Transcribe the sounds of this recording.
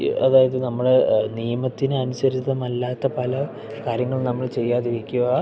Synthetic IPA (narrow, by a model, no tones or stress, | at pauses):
ɐðaːjɐðɨnɐmːɐɭnijɐmɐt̪ːinɨɐnusɐɾit͡ɕːɐðɐmɐlːaːt̪ːɐpɐlɐ | kaːɾjɐŋːɐɭnɐmːɐɭt͡ɕe̞jːaːðiɾikʲːuɣa